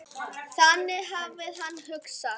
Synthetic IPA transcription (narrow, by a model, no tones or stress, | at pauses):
θanːɪɦavːɪðhanːhʏksa